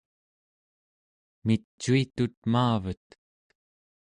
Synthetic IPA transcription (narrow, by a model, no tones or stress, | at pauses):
mit͡ʃːuit̪ut̪̚maːvət̪